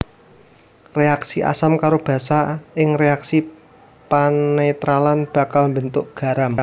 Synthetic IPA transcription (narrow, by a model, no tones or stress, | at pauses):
reaksiʔa̰samkaɾob̥ä̤saʔɪŋreaksi | panet̪ɾalanb̥ä̤kalmbənt̪ʊʔɡ̥a̤ɾam